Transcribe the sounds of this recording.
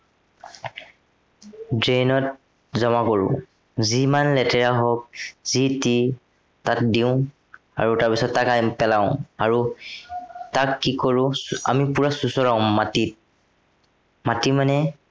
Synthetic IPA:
dɹenɔt̚ | zɔmakɔɹʊ̰̃ | zimanlɛtɛɹaɦɔk̚ziti | tatdiʊ̃ | aɹutaɹpisɔtːakapɛlaʊ̃aɹu | takːikoɹʊ̃a̰mipuɹasusɔɹaʊ̃matit̚ | matimanɛ

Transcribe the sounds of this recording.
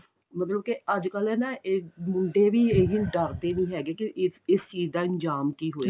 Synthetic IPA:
mət̪ləb̚keəd͡ʒkəlɛːnaːʔeːmʊɳɖeːʋiːeɦɪɖəɾt̪eːʋĩːɦɛːɡeːkɪʔɪst͡ʃiːzd̪aːɪɲd͡ʒaːmkiːɦoːe

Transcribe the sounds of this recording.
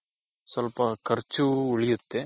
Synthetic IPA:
sɐlpɐkɐɾt͡ʃːuʊɭɪjɯt̪ːe

